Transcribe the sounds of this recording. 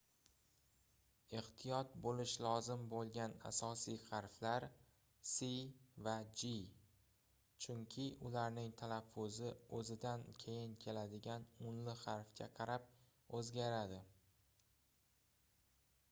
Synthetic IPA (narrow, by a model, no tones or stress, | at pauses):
eht̪ʰijɒt̪̚bolɪʃlˠɒzɪmbolˠɡʲana̰sɒsijχɑɾflaɾ | sivad͡ʒi | t͡ʃʰʊŋkʲʰɪʔʊlaɾnɪŋt̪ʰalafːʊzɪɵzɪd̪ankʲʰe̞jɪnkʲʰe̞lad̪ɪɡʲanʊnlɪχɑɾfkʲʰa̰qʰɑɾap̚ | ɵzɡʲaɾad̪ɪ